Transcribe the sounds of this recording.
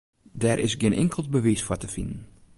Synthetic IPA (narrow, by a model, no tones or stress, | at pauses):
dɛɾʔɪsɡjɪnʔɪ̰ŋkəlˠt̚bəʋisfɔtəfindən̩